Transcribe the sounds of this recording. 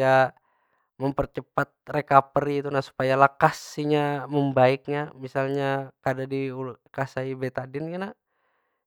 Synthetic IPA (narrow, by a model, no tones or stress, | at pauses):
a | məmpərt͡ʃəpat̪̚rekapəɾiːt̪unasu̥pajalakasiɲaməmbaɪk̚ɲamisalɲakadadiukasaibet̪adɪnkana